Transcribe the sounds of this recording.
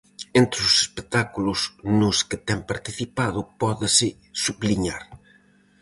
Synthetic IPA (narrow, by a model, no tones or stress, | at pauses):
ent̪ɾɪʊse̥spek̚t̪akulʊsnʊskɪt̪ɛŋpaɾt̪iθipaðʊpɔðɪsɪ | suβliɲaɾ